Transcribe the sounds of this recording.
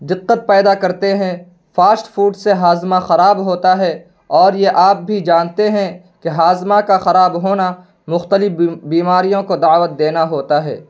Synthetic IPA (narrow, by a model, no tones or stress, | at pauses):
d̪ɪqːət̪̚pɛːd̪akɐɾt̪eɦɛ̃ | faːsʈfuːʈseɦaːzmaxɐɾaːbɦoːt̪aɦɛ | ɔːɾjeʔaːp̚bʱid͡ʒaːnt̪eɦɛ̃ | keɦaːzmakaxɐɾaːbɦoːna | mʊxt̪əlɪfbiːmaːɾijõkod̪aːʋət̪̚d̪eːnaɦoːt̪aɦɛ̰ː